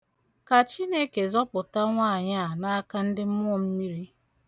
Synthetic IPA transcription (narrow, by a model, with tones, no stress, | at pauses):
ka˨t͡ʃi˦ne˦ke˨zɔ˦pʊ˨ta˦ŋʷa˦a˨ɲa˦˨na˦a˦ka˦n̩˦dɪ˦m̩˦mʊ˦˨m̩˦mi˦ɾi˦